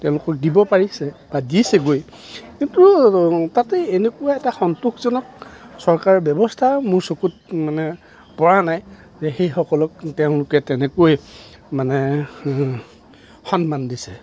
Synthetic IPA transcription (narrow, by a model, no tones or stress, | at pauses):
tɛ̃ʊ̃lʊkɔk̚dibɔpaɹisɛbadisɛɡoj | kintutatɛenekuwaɛtaxɔntukzɔnɔk̚sɔɹkaɹɔbɔbɔstʰamʊɹsokut̚manɛ | pɔɹanaj | zɛxejxɔkɔlɔk̚tɛʊ̃lʊkɛtɛnɛkoej | manɛ | xɔnmandisɛ̥